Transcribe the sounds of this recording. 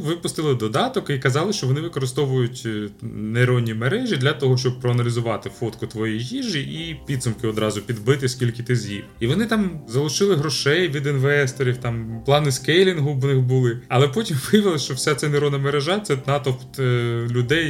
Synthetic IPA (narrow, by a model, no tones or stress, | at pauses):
ʋɪpʊst̪ɪlˠɪd̪ɔd̪ɑt̪ɔkikɐzɑlˠɪʃt͡ʃɔʋɔnɪʋɪkɔɾɪst̪ɔʋʊjʊtʲneɾɔnʲːimeɾɛʒʲid̪lʲɐt̪ɔɦɔʃt͡ʃɔb̚pːɾɔɐnɐlʲɪzʊʋɑt̪ɪfɔt̪kʊt̪ʋɔjijijiʒɪʔipʲid̪sʊmkɪɔd̪ɾɑzʊpʲid̪bɪt̪ɪskʲilʲkɪt̪ɪzʲjḭmiʋɔnɪt̪ɑmzɐlˠʊʃɪlˠɪɦɾɔʃɛjʋʲid̪ɪnʋɛst̪ɔɾʲiwt̪ɑmplˠɑnɪskɛjlʲinɦʊnɪxbʊlˠɪɐlˠɛpɔtʲimʋɪjɐʋɪlˠɐʃt͡ʃɔwsʲat̪sɛneɾɔd̪nɐmeɾeʒɑt̪sɛnɑt̪ɔ | lʲʊd̪ɛj